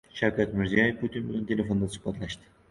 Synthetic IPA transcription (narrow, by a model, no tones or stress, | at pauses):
ʃæwkʰæt̪miɾzijajefpʰut̪ʰinbulʲynt̪ʰelʲefond̪asi̥pʰɑt̪ʰlˠæʃt̪ʰɪ̥